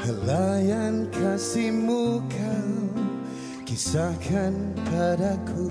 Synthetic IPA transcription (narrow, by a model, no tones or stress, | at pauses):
həlajankʰasimukʰaw | kisakʰanpʰadakʰu